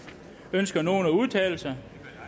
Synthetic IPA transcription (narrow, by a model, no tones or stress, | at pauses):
ønsɡ̥ɐno̝ːnæuð̞ˠt͡sʰɛ̰ːl̩sɑɪ